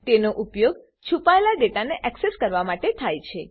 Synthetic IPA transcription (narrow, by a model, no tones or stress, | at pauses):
t̪enoʔupjoɡ | t͡ʃʰupaelaɖeʈaneʔɛkseskəɾʋamaʈet̪ʰajt͡ʃʰe